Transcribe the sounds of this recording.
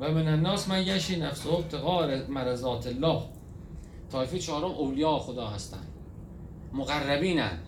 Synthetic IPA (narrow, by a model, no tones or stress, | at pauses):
væmenænːɒːsmænjæʃiːnæfsoob̚t̪ʰeɣɒːɾmæɾæzɒːt̪ʰelːɒːh | t̪ʰɒːefit͡ʃʰɒːɾomʔowlijɑːxod̪ɒːhæst̪ʰæ̰nd̪ | moɣærːæbiːnæ̰n